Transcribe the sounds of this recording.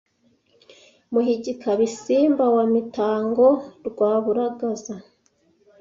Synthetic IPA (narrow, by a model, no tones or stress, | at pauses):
muhiɟikʰaβisiːmbawamitaːŋɡoɾɡwaːβuɾaɡaza